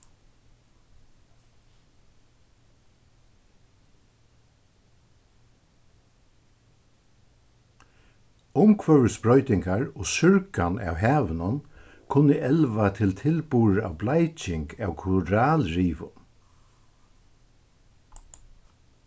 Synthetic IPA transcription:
ʊmkʰʋœɹəsbɹɔʏt̪ɪŋkaɹoːsʏɹkanɑ̰ːwɦæːʋənʊn | kʰʊnəʔɛlʋat̪ʰɪlt̪ʰɪlpuːɹa̰ʋblajt͡ʃɪŋkɑːwkʰʊɾaːlɹiːʋʊ̰n

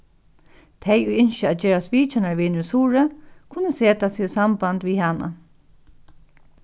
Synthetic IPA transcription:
t̪ʰejujɪnʃəaːt̪̚d͡ʒeːɹaspiːt͡ʃɪnaɹʋiːnʏsuːɹəkʰʊnːəseːt̪asiːsambant̪ʋiːɦana̰

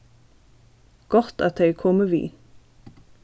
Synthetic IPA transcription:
ɡ̥ɔʁt̪ɑt̪̚d̪eɪkʰɔməʋḭː

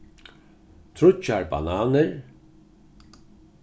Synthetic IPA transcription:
t̪ʰɾʊt͡ʃaɹba̰naːnəɾ

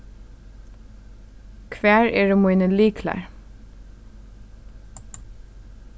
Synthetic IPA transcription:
kʰʋæːɹʔeːɹəmʊɪnəliːkʰlæ̰ːɹ

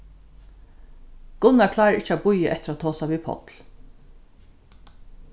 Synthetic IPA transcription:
ɡ̥ʊnakʰlɑːɾəʔɪt͡ʃːabʊjəʔɛ̰t̪ɪɾat̪ʰːoːsaʋipʰɔ̰t̪l

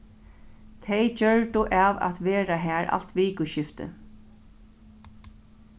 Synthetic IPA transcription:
t̪ʰejt͡ɕœɹʈ̪ʊʔaːʋa̰t̪ʋeːɾaɦæːɾʔa̰l̥t̪ʋiːkʊʃɪft̪ɪ̰

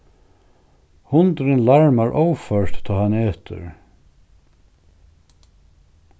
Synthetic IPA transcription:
hʊnt̪ɾɪnlaɹmaɹʔowfœɹt̪t̪ʰːɔːhanːɛːt̪ʏ̰ɾ

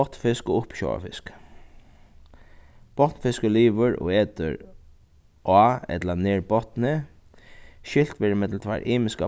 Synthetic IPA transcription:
ɔt̪fɪskɔʊpɕɔ̰a̰fɪsk | b̥ɔt̪nfɪskəliːʋəɾɔ̰ɛːt̪ə̰ɹ | ʔaːɛ̰t̪laneːɹbɔt̪nɪ | ʃɪl̥t̪ʋeːɾɪmɛt̪l̩t̪ʰʋa̰ɾʔiːmɪska

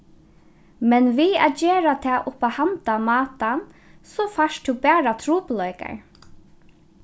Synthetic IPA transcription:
mɛnʋiːa̰d͡ʒeːɾat̪ʰɛːʔʊpahant̪amɑːt̪an | sɔfaʃtd̪ubɛːɹat̪ʰɾuːplɔʏka̰ɹ

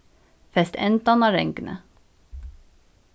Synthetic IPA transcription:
fɛst̪ɛ̰nt̪ɑnɑːɾɛ̰ŋknə̰

